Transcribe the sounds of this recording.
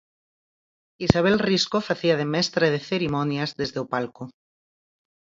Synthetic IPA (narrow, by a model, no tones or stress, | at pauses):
isaβ̞elriskofaθiað̞emɛst̪ɾað̞eθeɾimɔnjazðezðeopalko